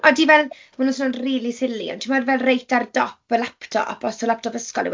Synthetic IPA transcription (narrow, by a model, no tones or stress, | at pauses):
ɔdivɛlˠmanunsonʊnriːlˠisɪlḭɔ̰ntʰimadvɛlˠrejtʰardɔpəlaptʰɔ̰ʔɔ̰pʰɔsɔlap̚tʰɔbəskɔ̰lˠḭw